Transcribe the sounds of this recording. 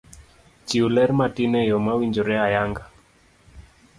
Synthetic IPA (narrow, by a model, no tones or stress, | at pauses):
t͡ʃiulɛɾmatinɛjɔmawiɲd͡ʒoɾɛajaŋɡa